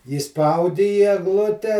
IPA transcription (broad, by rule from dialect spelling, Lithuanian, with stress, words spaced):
iːˈspɐʊdʲɪ iː ɛɡˈlˠʊtʲɛ